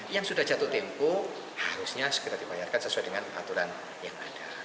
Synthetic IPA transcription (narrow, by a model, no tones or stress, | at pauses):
jaŋsudahd͡ʒat̪ʊt̪empo | haɾʊsɲasə̥kiɾardibajarkansəsuajdəŋana̰t̪uɾan | jaŋa̰d̥a